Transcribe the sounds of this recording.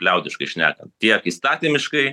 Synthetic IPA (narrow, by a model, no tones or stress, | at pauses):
pʲlʲɛʊd̪ʲɪʃkɐɪʃʲnʲæ̰ːkɐnt̪ʲiɛkiːst̪ɑːt̪ʲɪmʲɪʃkɐɪ